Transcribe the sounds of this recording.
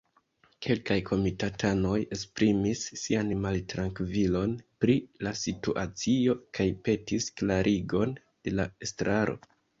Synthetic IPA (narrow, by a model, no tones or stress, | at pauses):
kʰe̞lkajkʰo̞mitatʰano̞je̞spɾimisːianmaltɾaŋkvilo̞npɾilasituʔat͡sio̞kajpe̞tisklaɾʔiɡo̞n | d̥e̞laestɾaɾʔo̞̰